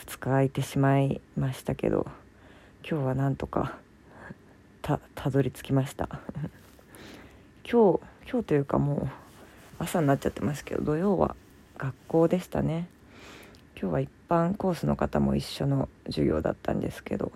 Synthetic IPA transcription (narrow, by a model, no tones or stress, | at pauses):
fɯ̥t͡sɨ̥kait̪e̞ɕimaimaɕi̥t̪ake̞̰d̪o̞̰ | kʲo̞ːβanãnt̪o̞ka̰ | t̪ʰat̪ʰad̪o̞ɾʲit͡sɨ̥kʲimaɕi̥t̪ã̰ | kʲo̞ːkʲo̞ːt̪o̞jɯ̟ːka̰moː | asanːat͡ɕːat̪ːe̞maɕ̬t̪ḁked̪o̰d̪o̞jo̞ːβa̰ | ɡ̥akːo̞ːd̪e̞ɕi̥t̪ane̞ | kʲo̞ːβaipːãŋko̞ːsɨno̞kat̪amo̞̰iɕːo̞no̞ʑɨɡʲo̞̰ːd̪a̰t̪ːã̰nd̪e̞̰sɨ̥ke̞d̪o̞̰